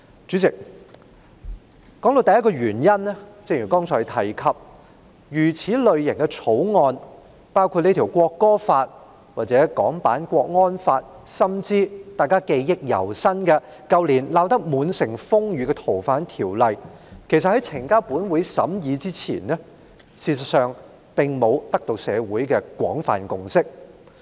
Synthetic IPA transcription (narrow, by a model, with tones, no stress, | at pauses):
t͡ʃyː˨˥t͡sɪ˨k̚ | kːɔː˨˥ŋt̪o˧wt̪ɐ˨jɐ˥kɔː˧ɥyː˨˩njɐ˥nɛ˥t͡sɪ˧ŋjyː˨˩kɔː˥ŋt͡sʰɔː˨˩jt̪ʰɐ˨˩jkʰɐ˨p̚ | jyː˨˩t͡sʰiː˨˥lɵ˨ɥjɪ˨˩ŋkɛ˧t͡sʰo˨˥wŋɔː˧n | paː˥wkʰu˧t̚ne˥t̪ʰi˨˩wkʷɔː˧kːɔː˥faː˧t̚ | waː˨t̚t͡sɛː˨˦˥kɔ̰ː˨˥ŋpa̰ː˨˥nkʷɔː˧k̚ŋɔː˥nfaː˧t̚ | sɐ˥mt͡siː˥t̪aː˨˧jkaː˥ke˧jjɪ˥k̚jɐ̰˨˩wsɐ˥nkɛ˧ | kɐ˧wliː˨˩nlaː˧wt̪ɐ˥k̚muː˨˧˥nsɪ˨˩ŋfʊ˥ŋjyː˨˧kɛ˧t̪ʰo˨˩wfaː˨˥nt̪ʰiː˨˩wlɐ˨j | kʰe˨˩js̬ɐ˨t̚hɐ˨˥jt͡sʰɪ˨˩ŋkaː˥wpuː˨˥nwuː˨˥jsɐ̰˨˥mjiː˨˧t͡siː˥t͡sʰḭː˨˩nnɛ˥ | siː˧s̬ɐ˨t̚sœː˨ŋ | pɪ˨ŋmo˨˧wt̪ɐ˥k̚t̪o˧wsɛː˨˧wuː˨˥jkɛː˧kwɔ̰ː˨˥ŋfa̰ː˨˩nkʊ˧ŋsɪ˥k̚